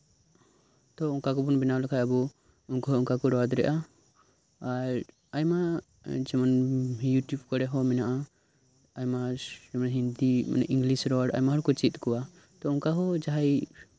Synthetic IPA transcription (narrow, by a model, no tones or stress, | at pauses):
t̪ɔuŋkakɔbunbɛnawlɛkʰajabu | uŋkɔɦɔuŋkakɔɾɔd̪ɾɛ̰ʔaː | ɾ | ajma | d͡ʒɛmanjuʈjubkɔɽɛɦɔmɛnaʔa | ajmad͡ʒɛmanɦind̪ima̰nɛ̰ʔĩŋɡlisɾɔɖa̰jmaɦɔɾkɔt͡ʃit̪̚kɔwa | t̪ɔuŋkaɦɔd͡ʒaɦaj